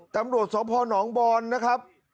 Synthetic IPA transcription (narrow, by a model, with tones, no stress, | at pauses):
t̪a˧mɾu˨˩ət̪̚sɔː˩˦mpʰɔː˧nɔː˩˦ŋbɔː˧nːa˦˥kʰɾa˦˥p̚